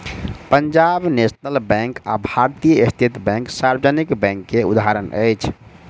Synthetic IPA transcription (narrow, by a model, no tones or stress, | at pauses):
pəɲd͡ʒabnesnəlbɛ̃ŋka̰bʱaɾt̪ijəest̪ʰit̪bɛ̃ŋksaɾbəd͡ʒənikbɛ̃ŋkːeṵd̪ɦaɾənə̰ɪt͡ʃʰ